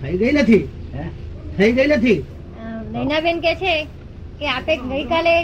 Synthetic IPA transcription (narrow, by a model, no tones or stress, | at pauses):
t̪ʰəiɡəinət̪ʰi | t̪ʰəiɡəinət̪ʰi | ləjnabenket͡ʃʰe | keapeɡəikale